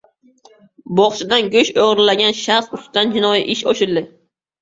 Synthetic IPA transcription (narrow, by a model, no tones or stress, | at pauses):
bɒχt͡ʃʰɪd̪anɡʲɵʃoʁɾɪlaɡʲanʃasʊst̪and͡ʒɪnɒjḭʔɪʃoʃɪld̪ɪ